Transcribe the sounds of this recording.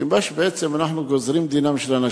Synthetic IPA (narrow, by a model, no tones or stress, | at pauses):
imbaʃbeʔet͡semanaħnuɡozɾimd̪inamʃelana